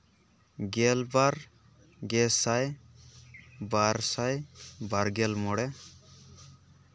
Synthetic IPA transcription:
ɡɛlbaɾ | ɡɛsaj | baɾsajbaɾɡɛlmɔɽɛ

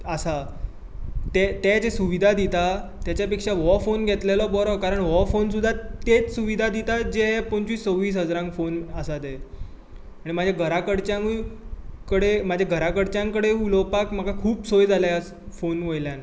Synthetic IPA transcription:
əsa | t̪et̪ed͡zesuʋid̪ʱad̪it̪a | t̪jat͡ɕjapekʂaʋɔfonɡʱet̪lelɔbɔɾɔkaɾəɳʋɔfonsud̪ʱːat̪et͡ssuʋid̪ʱad̪it̪ad͡ʑeɦɛpəɲt͡ɕʋiːst͡səwʋiːs̬ɦəd͡zɾãŋkfonəsad̪e | aɽ̃imad͡ʑʱjaɡʱəɾakəɽt͡ɕjãŋ | kəɽemad͡ʑʱjaɡʱəɾakəɽt͡ɕjãŋkəɽeulɔpakm̤aɡakʰuːpsojd͡zʱalajas | fonʋəjljan

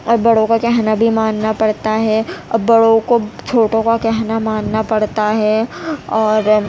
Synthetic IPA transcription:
ɔːɾbɐɽõkakɛɦnabʱimaːnːapɐɽt̪aɦɛɐbɐɽõkot͡ʃʰoːʈõkakɛɦnamaːnnapɐɽt̪aɦɛɔːɾ

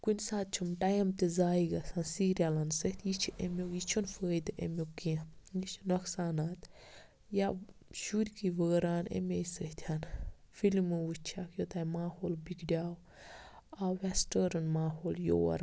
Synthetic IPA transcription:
kunʲsaːt̪̚t͡ʃʰɐmʈɐjɐmt̪izaːiɡɐsansiːɾʲalɐnsəht̪ʰʲjit͡ʃʰiʔemʲokjit͡ʃʰunfəːid̪ʔḛmokːiit͡ʃʰnɐksaːnaːt̪ | jaʃuɾʲkiʋəːɾaːnḛmʲejsəht̪ʰʲan | filmɨwut͡ʃʰakʰjot̪ajmaːhoːlbikɖʲaːw | aʋɛsʈəɾɐnmaːɦoːljo̰wɐ̰ɾ

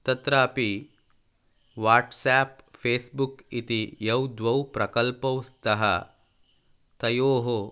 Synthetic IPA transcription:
t̪ɐt̪ɾaːpi | ʋaːʈsaːpfeːsbukit̪ijɐwd̪ʋɐwpɾɐkɐlpɐwst̪ɐɦɐ̰ | t̪ɐjoːɦo

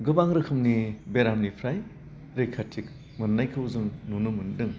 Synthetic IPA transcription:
ɡɯbaŋɾɯkʰɯmnibeɾamnipʰɾaj | ɾekʰatʰik | mɯnnajkʰɯwzɯŋnunɯmɯndɯŋ

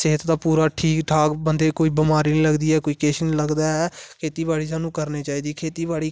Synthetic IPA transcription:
seːt̪t̪ãːpuːɾaːʈʰiːkʈʰaːkbənd̪eːkoːiːbɪmaːɾiːniːləɡd̪iːɛːkoːiːkeːʃiniləɡd̪aːɦɛːkʰeːt̪iːbaːɽiːs̬aːnũːkəɾneːt͡ʃaːiːd̪iːkʰeːt̪iːbaːɽiː

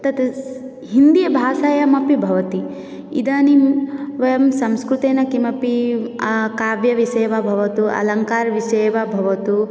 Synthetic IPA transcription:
t̪ɐt̪ | ɦind̪ijɐbʱaːsaːjɐmɐpibʱɐʋɐt̪i | ḭd̪aːnimʋɐjɐmsɐmskɾut̪eːnɐkimɐpi | kaːʋjɐʋiseːʋabʱɐʋɐt̪uʔɐ̰lɐŋkaːɾʋiseːʋabʱɐʋɐt̪u

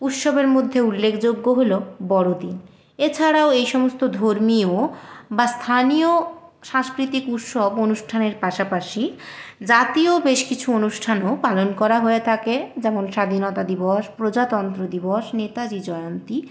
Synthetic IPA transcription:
ut̪ʃɔbeɾmod̪ʱːeulːekʰd͡ʑoɡːoɦolobɔɽod̪in | et͡ɕʰaɾaoejʃɔmost̪od̪ʱoɾmiobast̪ʰanijoʃãŋskɾit̪ikut̪ʃɔbonuʃʈʰaneɾpaʃapaʃid͡ʑat̪iobeʃkit͡ɕʰuonuʃʈʰanopalonkɔɾaɦoet̪ʰaked͡ʑɛmonʃad̪ʱinɔt̪ad̪ibɔʃpɾod͡ʑat̪ɔnt̪ɾod̪ibɔʃnet̪ad͡ʑid͡ʑɔeont̪i

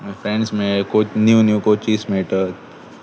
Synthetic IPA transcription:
mẽfɾɛ̃ɳɖsmẽkot͡ʃnjuːnjukoːt͡ʃiːsmeːʈət̪

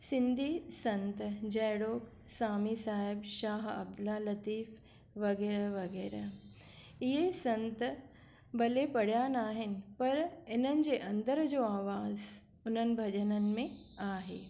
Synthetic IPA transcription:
sɪ̃nd̪ʱiːsɐ̃nt̪d͡ʑɐːɽoːk | saːmiːsaːɪbʃaːɦɐ̰b̚d̪ʊlalɐt̪iːf | ʋɐɡeːɾəʋɐɡeːɾə | ɪɦesɐ̃nt̪ | bɐlepɐɽ̤jaːnaːɦɪnɪ̆pɐɾɪnənɪ̆d͡ʑeːʔɐ̃nd̪əɾd͡ʑoːaːʋaːz | ʊn̤ənɪ̆bʱɐd͡ʑənənɪ̆mẽ | aːɦḛː

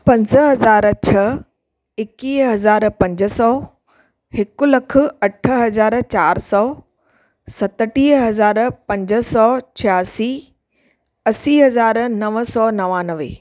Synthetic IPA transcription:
pɐ̃ɲzəɦɐzaːɾt͡ɕʰɐ | ɪkiːɦɐzaːɾpɐ̃ɲd͡ʑə̆sɔː | hɪkʊlɐkʰʊ̆ɐʈʰə̆ɦɐzaːɾt͡ɕaːɾsɔː | sɐt̪əʈiːɦɐzaːɾpɐ̃ɲd͡ʑə̆sɔːt͡ɕʰjaːsiː | ɐsiːɦɐzaːɾnɐʋəsɔnɐʋaːnəʋḛ

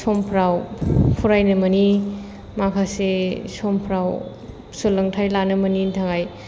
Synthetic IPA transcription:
sɔmpʰɾawpʰuɾajnɯmɐni | makʰasesɔmpʰɾaw | sulɐŋtʰajlanɯmɐnintʰaŋaj

